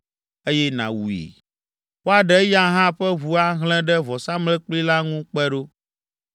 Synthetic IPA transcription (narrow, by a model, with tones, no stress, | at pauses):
e˦jɛ˦nã̰˨wu˨ḛ˨ | wo˦a˨ɖɛ˦ja˦ɦã˦ɸɛ˦βu˨a˦ɦl̃ɛ̃˦ɖɛ˦vɔ˨sa˦mlɛ̃˦k͡pli˦la˦ŋũ˦k͡pɛ˦ɖo˦